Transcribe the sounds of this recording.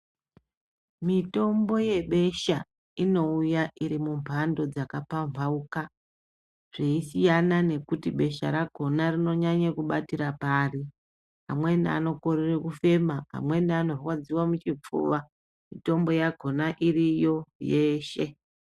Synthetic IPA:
mito̞mbo̞je̞ɓe̞ʃa | ino̞ujaʔiɾimumpʰando̞d͡zakapaɱvauka | ʐ̥eisijanane̞kutiɓe̞ʃa̰ɾaɡ̥ʱo̞narino̞ɲaɲakuɓatiɾapaːri | ɦa̰mwe̞na̰no̞ko̞rirekufe̞maa̰mwe̞nanorwad͡ziwamut͡ʃib͡vṵːʋa | mito̞mbo̞jaɡʱo̞naʔirijo̞je̞ːʃe̞

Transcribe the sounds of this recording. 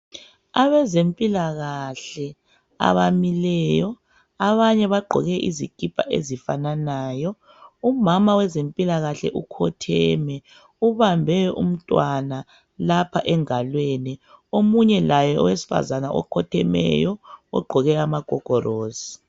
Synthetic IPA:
aβɛzempʼilaɣaɬɛ | a̰βamilɛjɔ | aβaɲɛβaɡ͡ǃʱɔ̰ɣɛʔḭziɡ̥ʱipʰʼa̰ʔḛzifananajɔ | umamawɛzempʼilaɣaɬɛ̰ʔukʰɔtʰɛmɛ | uβambʱɛɛʔṵm̩tʼwana | lapʰaʔɛŋalwenɛomuɲɛlajɔʔɔwesi̥fa̰zanaʔɔ̰kʰɔtʰɛmɛ̰jɔɔɡ͡ǃʱɔɣɛamaɡ̥ʱɔɡ̥ʱɔroːzi

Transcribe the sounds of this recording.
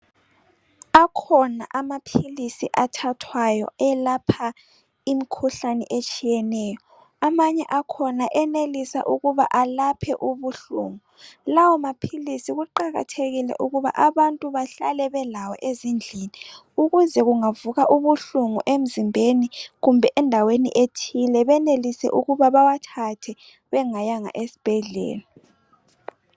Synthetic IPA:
akʰɔna̰ʔamapʰilisḭʔatʰatʰwajɔ̰ɛlapʰa | imikʰuɬanɛ̰ʔet͡ʃʼijɛnɛjɔ | amaɲɛʔakʰɔnaʔɛnelisa̰ʔuɣuβa̰ʔalapʰɛʔuβuɬṵːŋulawɔmapʰilisiɣuǃaɣa̰tʰeɣilɛ̰ʔuɣuβa̰ʔaβantʼuβaɬa̰lɛβɛlawɔ̰ʔezind͡ɮʱini | uɣuzɛɣuŋavuɣaʔuβuɬuŋuʔem̩zimbʱeniɣumbʱɛʔɛndʱawenḭʔetʰilɛβɛnelisɛ̰ʔuɣuβaβawatʰatʰɛ | βɛŋajaŋa̰ʔesi̥b̥ʱɛɮɛ̰ːla

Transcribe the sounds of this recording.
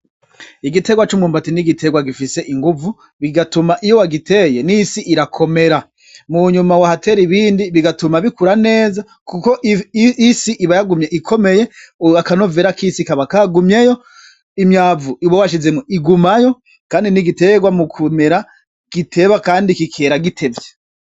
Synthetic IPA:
iɡite̞ɡwat͡ʃumuːmbatiniɡitʰe̞ɡwaɡifise̞ʔiŋɡuvu | βiɡatumaʔijowaɡitʰe̞je̞nisiʔiɾakʰo̞me̞ɾa | muɲumawahate̞ːɾiβiːndiβiɡatumaβikuɾane̞ːza | kukoʔisiʔiβajaɡumjeʔikʰo̞me̞je̞akano̞veːɾakʰisikaβakaɡumjejo̞ | imjaːvuʔiβowaʃizemoiɡumajo̞ | kaːndiniɡite̞ɡwamukʰume̞ɾa | ɡ̥itʰe̞βakaːndikikʰe̞ːɾaɡitʰe̞vje

